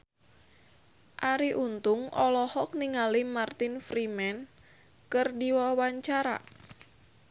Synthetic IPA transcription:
ʔaɾiʔunt̪ʊŋʔɔlɔhɔk̚niŋalimart̪ɪnfɾimɛn | kɨrdiwawaɲt͡ʃaɾa̰

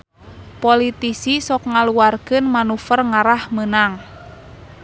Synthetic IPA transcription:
polit̪isisɔk̚ŋaluarkɨnmanufərŋaɾahmənaŋ

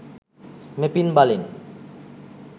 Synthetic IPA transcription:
mepinbalin

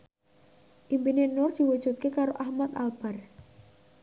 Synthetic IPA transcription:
ʔimpinenʊrd̪̥iwud̥ʒ̥ṳt̪̚kekaɾoʔahmat̪alb̥ar

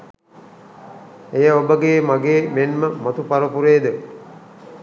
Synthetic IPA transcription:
ejəobəɡeːmaɡeːmenməmat̪upaɾəpuɾeːd̪ə

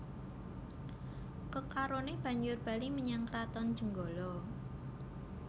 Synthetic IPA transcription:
kəkaɾoneb̥ä̤ɲd͡ʒʊrb̥a̤liməɲaŋkɾat̪ɔnd̥ʒ̥ə̤ŋɡɔlɔ

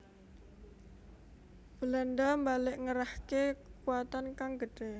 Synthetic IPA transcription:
b̥əlanɖambalɪʔŋəɾahkekuat̪ankaŋɡəɖ̥e

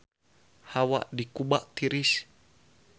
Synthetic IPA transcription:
hawa̰ʔdikubaʔt̪iɾis

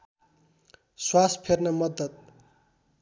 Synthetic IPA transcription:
swaspʰernʌmʌd̪ːʌt̪̚

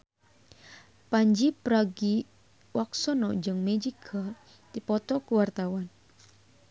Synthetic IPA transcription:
paɲd͡ʒipɾaɡi | waksɔnɔd͡ʒɨŋmed͡ʒiɡʰa | t̪ipɔt̪ɔkuwart̪awan

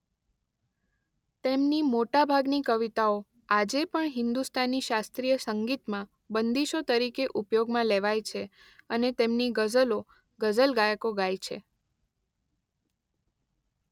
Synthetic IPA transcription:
t̪emnimoʈabʱaɡnikəʋit̪ao | ad͡ʒepəɳɦɪnd̪ust̪ʰanːiʃast̪ɾijəsəŋɡit̪mã | bənd̪iʃot̪əɾikeʔupjoɡmãleʋajt͡ʃʰe | ənet̪emniɡəd͡ʒəlo | ɡəd͡ʒəlɡajəkoɡajt͡ʃʰḛ

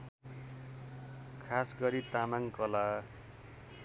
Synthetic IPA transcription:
kʰasɡʌɾit̪amaŋkʌla

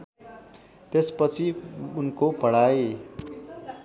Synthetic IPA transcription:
t̪espət͡sʰiʊnkopʌɽ̤aːe

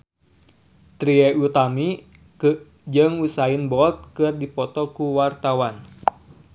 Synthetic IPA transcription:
t̪ɾiɛʔut̪ami | kɨ | d͡ʒɨŋusainbɔlt̪̚kɨrdipɔt̪ɔkuwart̪awan

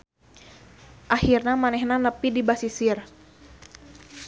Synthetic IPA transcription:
ʔahirnamanɛhnanəpidibasisir

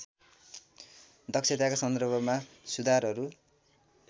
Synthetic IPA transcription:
d̪ʌksʰet̪akasʌnd̪ʌrbʱʌma | sud̪ʱaɾɦʌɾu

